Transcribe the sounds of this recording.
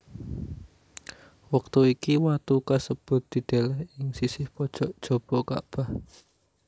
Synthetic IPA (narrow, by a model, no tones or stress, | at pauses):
wək̚t̪uikiwat̪ukasəb̥ʊ̤t̪̚d̪̥i̤d̪̥elɛhɪŋsisɪhpɔd̥ʒ̥ɔʔd̥ʒ̥o̤b̥ɔka̰b̥ah